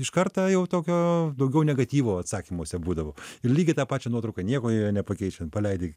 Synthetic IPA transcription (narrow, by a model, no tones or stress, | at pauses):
ɪʃkɐrt̪ɑːjɛʊt̪oːkʲoːd̪ɐʊɡʲɛʊnʲɛɡɐt̪ʲiːʋoːɐt̪sɑːkʲimoɔsʲɛbuːd̪ɐʋoːɪrlʲiːɡʲɪt̪ɑːpɑːt͡ʃʲɛnuɔt̪ɾɐʊkɑnʲiɛkoːnʲɛpɐkʲɛɪt͡ʃʲɛnpɐlʲɛɪd̪ʲɪ